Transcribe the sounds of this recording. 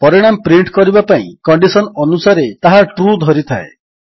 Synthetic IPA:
pɔɾiɽ̃ampɾiɳʈkɔɾibapaḭ̃kɔɳɖisɔnɔnusaɾet̪aɦaʈɾud̪ʱɔɾit̪ʰaḛ

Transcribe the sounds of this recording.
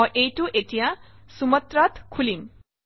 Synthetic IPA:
ʌʔejʈuʔeʈija | sumʌt̪rʌt̪kʰulim

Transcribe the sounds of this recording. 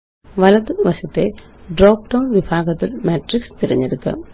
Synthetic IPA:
ʋɐlɐðɨʋɐɕɐt̪ːe̞ | ɖro̞ːk̚ʈɐwnʋibʱaːɡɐt̪ːilmeːʈrikst̪iɾɐ̰ɲːiɾukːɐ̰

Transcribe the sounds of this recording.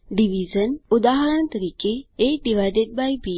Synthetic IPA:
ɖiʋizənud̪aːɦɐɾənt̪ɐɾiːkeːɖiʋajɖ̪et̪̚bajbi

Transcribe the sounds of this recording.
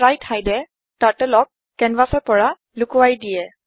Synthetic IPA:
ɹajtʰajdɛ | tatɛlɔk | kːɛnvasɔɹpɔɹa | lʊkuwajdijɛ

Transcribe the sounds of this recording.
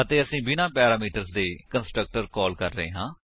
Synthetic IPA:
ət̪eːəsĩːbɪnãːpɛːɾaːmiːʈəɾzd̪eːkənsʈɾək̚ʈəɾkɔːlkəɾːəɦḛːɦãː

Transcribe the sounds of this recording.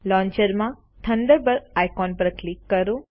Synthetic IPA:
lɔ̃ɲt͡ʃəɾmã | t̪ʰənd̪əɾbəɾajkɔnpəɾklikːəɾũ

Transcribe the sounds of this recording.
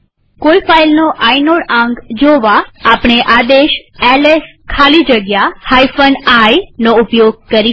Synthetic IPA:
koifailnoʔajnoɽãŋɡd͡ʒoʋaːpɳ̃eʔad̪eʃɛleskʰalid͡ʒəɡjahajfənajnoʊpjoɡ̚kəɾi

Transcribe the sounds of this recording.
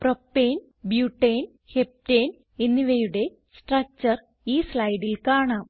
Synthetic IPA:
propːeːn | bjuːʈːeːn | hep̚ʈeːn | enːiʋejuɽe̞ | sʈrɐk̚t͡ɕɐr | iːslɐjɖilkaːɳaːm

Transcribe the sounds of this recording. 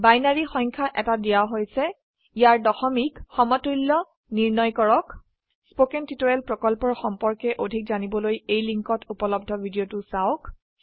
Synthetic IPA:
bajnaɹixɔŋkʰaʔɛtadijaɦojsɛ | ijaɹdɔxɔmikxɔmɔtɹilːɔ | niɹnɔjkɔɹɔk | spokɛntitoɹɛlpɹɔkɔlpɔɹxɔmpɔɹkɛʔodʱik̚zanibɔlojejliŋkɔtupɔlɔb̚dʱɔbʱidijotʊsaʊk

